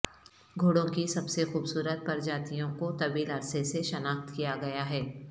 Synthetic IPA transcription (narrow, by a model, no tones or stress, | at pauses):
ɡʱoːɽõkisɐbsexuːbsuːɾət̪̚pɐɾd͡ʒaːt̪ijõkot̪ɐbiːlɐɾseseʃɐnaːxt̪kijaɡɐjaɦɛː